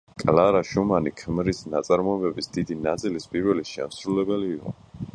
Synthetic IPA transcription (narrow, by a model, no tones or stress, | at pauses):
kʼlaɾaʃumanikʰmɾisnat̪sʼaɾmɔɛbɛbisd̪id̪inat̪sʼilispʼiɾwɛliʃɛ̰msɾulɛbɛliːqʼɔ̰